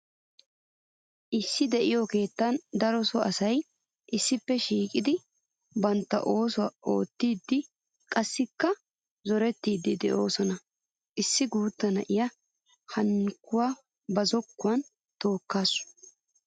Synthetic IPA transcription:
ʔɪsːɪd̪ɛʔɪjoke̞ːt̪ːɐnd̪ɐɾɔsɔɐsɐj | ʔɪsːɪpːɛʃiːkʼɪd̪ɪ | bɐnt̪ːɐ̰ʔo̞ːsʊwɐʔo̞ːt̪ːiːd̪ːɪ | kʼɐsːɪkːɐ | zɔɾɛt̪ːiːd̪ːɪd̪ɛ̰ʔo̞ːsɔnɐ | ʔɪsːɪɡuːt̪ːɐnɐʔɪjɐ | hɐnkːʊwaː | bɐzɔkːʊwɐn | t̪o̞ːkːaːsʊ̥

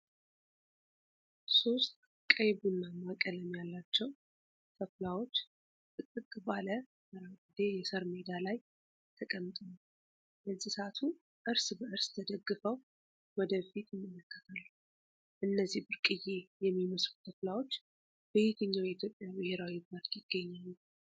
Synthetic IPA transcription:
so̞st̪ʼ | kʼəjbunːamakʼələmjalːat͡ʃːɛw | k̪ʰəflawo̞t͡ʃː | t̪ʼɨt̪ʼːɨkʼbalə | məɾaɡɨd̪ejɛsəɾmed̪alaj | t̪ʰəkʼəmːt̪ʼəm | ləzːihsəat̪ʰu | ʔɨɾsbəʔɨɾst̪ʰəd̪əɡːɨfəw | wɔd̪əfit̪jɪmːələkʰːət̪ʰalːu | ʔɨnːəzːihbɨɾkʼɨje̞jɛmːiməsɾuk̪ʰəflawo̞t͡ʃː | bəjet̪ʰəɲːawjɛit̪ʰjo̞pʼːjabɨhe̞ɾawibaɾt̪jɪɡ̥ːəɲːalːu

